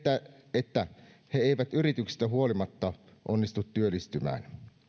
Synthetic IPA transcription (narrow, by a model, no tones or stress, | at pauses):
æ | et̪ːæ | heeˑiʋæt̪yrit̪yksist̪æɦuolimɑt̪ːɑ | ʔonːist̪ut̪ːyølːˑist̪ymæ̰ːn